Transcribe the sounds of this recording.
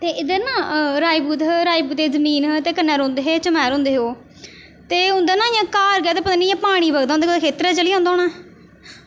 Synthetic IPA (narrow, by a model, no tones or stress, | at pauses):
t̪eːʔɪd̪əɾnãːɾaːiːbuːd̪ɾaːiːbuːt̪eːzəmiːnt̪eːkənːɛːɾõːnd̪eːɦeːt͡ʃəmɛːɾõːnd̪eːɦoː | t̪eːʊ̃nd̪aːnãːɪjãːkaːɾɡɛːt̪eːpət̪aːnijãːpaːɽ̃iːbəɡd̪ãːnd̪eekʰeːt̪ɾɛːt͡ʃəliːãʊ̃nd̪aɦoːɳãː